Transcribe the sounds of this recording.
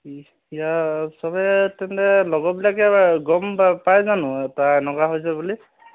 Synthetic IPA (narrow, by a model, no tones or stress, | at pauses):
ijasɔbɛtɛntɛlɔɡɔbilakɛɡɔmapajzanʊ̃ɛtaɛnɔkaɦojsɛbuli